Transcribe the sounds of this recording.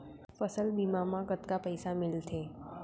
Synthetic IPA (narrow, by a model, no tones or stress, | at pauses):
fəsəlbimamãkət̪kapəjsamɪlt̪ʰeː